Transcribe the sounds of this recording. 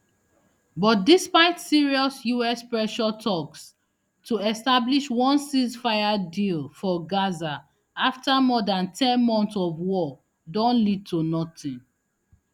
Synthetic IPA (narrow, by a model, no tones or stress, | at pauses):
bɔt̚dispaɪtsiɹiɔsjuɛspɹɛʃɔtʰɔks | tʰuɛstabliʃwɔ̃nsizfaɪadilfɔɡaza | aftamɔdãntʰɛ̃nmɔ̃ntsɔvwɔ | dɔ̃nlid̚tʰunɔtĩn